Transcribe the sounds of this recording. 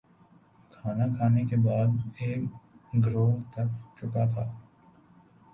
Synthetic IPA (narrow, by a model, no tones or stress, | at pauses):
kʰaːnakʰaːnekebaːd̪eːkɡɾoːt̪ɐkt͡ʃʊkat̪ʰaː